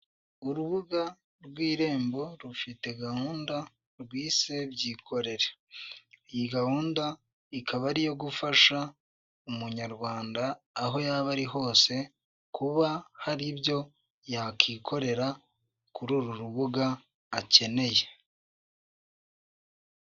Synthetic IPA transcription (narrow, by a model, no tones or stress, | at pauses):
uɾuβuɡa | ɾɡwiːɾe̞ːmbo̞ɾufite̞ɡahuːnda | ɾɡwiːse̞bjiːkʰo̞ɾe̞ɾe̥ | ijiɡahuːnda | ikaβaɾijo̞ɡufaʃa | umuɲaɾɡwaːndaː | ɦo̞jaβaɾiɦo̞ːse̞ | kʰuβahaɾiβjo̞ | jakikʰo̞ɾe̞ɾa | kuɾuɾuɾuβuɡaː | ce̞ne̞je̞